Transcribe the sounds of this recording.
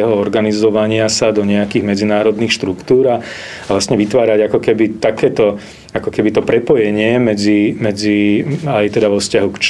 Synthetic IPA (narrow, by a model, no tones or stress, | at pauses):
ɦɔɔɾɡanizɔʋaɲɪasad̪ɔɲɛakiːɣmɛd͡zinaːɾɔd̪niːxʃt̪ɾukt̪uːɾa | aʋlast̪ɲɛʋit̪ʋaːɾaɟakɔkɛbit̪akɛːt̪ɔ | akɔkɛbit̪ɔpɾɛpɔjɛɲɪɛmɛd͡zimɛd͡ziajt̪ɛd̪aʋɔfscaɦukt͡ʃ